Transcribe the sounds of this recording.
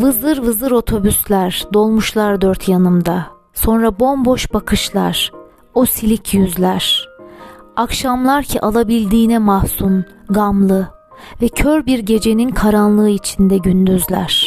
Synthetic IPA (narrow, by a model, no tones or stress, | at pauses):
vɯzɯɾvɯzɯɾo̞t̪ʰo̞byslʲæɾd̪o̞lˠmuʃlˠaɾd̪øɾt̪ʰjanɯmd̪a | so̞nɾabo̞mbo̞ʃbakʰɯʃlˠa̰ɾ̥ | osilʲicʰjyzlʲæɾ̥ | akʃamlˠaɾcʰiʔalˠabilʲd̪iːnɛmahsun | ɡamlˠɯ | vɛcʰøɾbiɾɟe̞d͡ʒe̞ninkʰaɾanlˠɯːit͡ʃʰind̪ɛɟynd̪yzlʲæ̰ɾ̥